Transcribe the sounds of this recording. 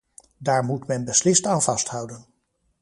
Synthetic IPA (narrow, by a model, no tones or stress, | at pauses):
daːɹmutmɛnbəslɪstaːnvɑstɦʌwdən